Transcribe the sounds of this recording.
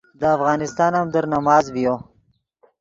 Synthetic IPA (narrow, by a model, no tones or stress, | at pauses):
d̪əafɣɑːnɪst̪ɑːnamd̪əɾnamɑːzbijo